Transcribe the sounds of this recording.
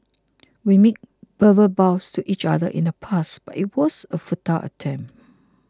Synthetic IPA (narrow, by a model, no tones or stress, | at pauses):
wimek̚b̥əvəbaʊstʰuʔit͡ʃa̰dəʔḭ̃nəpʰasb̥atit̚wɔsəfutʰaʔə̰tʰɛ̃m